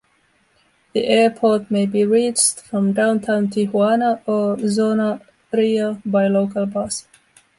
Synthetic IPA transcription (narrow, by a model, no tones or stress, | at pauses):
ðiʔɛɹpʰɔt̚meɪbiɹit͡ʃtfɹʌ̃mdãʊ̃ntʰãʊ̃ntʰihwɑnəʔəzonə | ɹiəbaɪloʊkəlˠbɑs